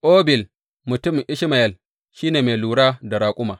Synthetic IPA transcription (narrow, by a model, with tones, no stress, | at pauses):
ʔoː˦bɪ˨l | mʊ˨tʊ˦m˨ʔɪ˦ʃɪ˦ma˨jɐ˦˨l | ʃiː˦neː˨meː˨luː˨ɽaː˦da˨ɽaː˨kʷʼʊ˦maː˨